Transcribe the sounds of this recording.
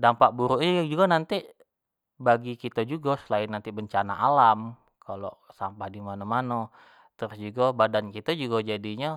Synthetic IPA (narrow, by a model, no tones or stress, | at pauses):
dampaʔ̚buɾuʔɲd͡ʒuɡanant̪i | baɡikit̪ad͡ʒuɡasəlaɪnːant̪ibəɲt͡ʃana̰ʔalam | kalo̰sampahdimanamana | t̪əɾʊsd͡ʒuɡabadankit̪ad͡ʒuɡad͡ʒadiɲa